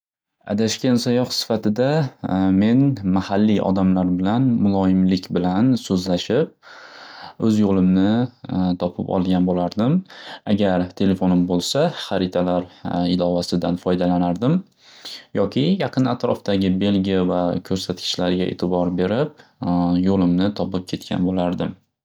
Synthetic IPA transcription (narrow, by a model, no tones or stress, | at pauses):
a̰d̪aʃkʲansajɒhsɪ̥fat̪ʰɪd̪ame̞nmahalːiʔɒ̰d̪amlaɾbɪlanmʊlˠɒjɪmlɪkʲbɪlansɵzlaʃɪp̚ | ɵzjolˠɪmnɪt̪ʰɒpʰɪ̰pɒ̰lˠɡʲanbolaɾd̪ɪmaɡʲaɾt̪ʰe̞le̞fonɪmbolˠsaχaɾɪt̪ʰalaɾɪlɒvasɪd̪anfɒjd̪alanaɾd̪ɪm | jɒkʲʰɪjɑqʰɨnat̪ɾɒft̪aɡʲɪbe̞lɡʲijavakʲʰɵɾsat̪kʲʰɪ̥ʃlaɾɪɡʲaʔḛt̪ʰɪbɒɾbe̞ɾɪp̚jolɪmnɪt̪ʰɒpɪp̚kʲʰe̞t̪̚kʲʰa̰nbolaɾd̪ɪm